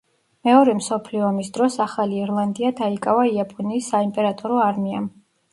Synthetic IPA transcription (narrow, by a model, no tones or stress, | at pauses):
mɛɔɾɛmsɔpʰliɔːmisd̪ɾɔsaχaliːɾlˠand̪iad̪aikʼavaiapʼɔniːsːaimpʼɛɾat̪ʼɔɾɔaɾmiam